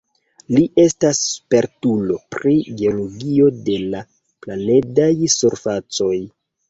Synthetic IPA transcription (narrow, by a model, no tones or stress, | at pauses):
liʔe̞staspe̞ɾtulo̞pɾiɡe̞oloɡio̞de̞la | plane̞dajsuɾfat͡so̞j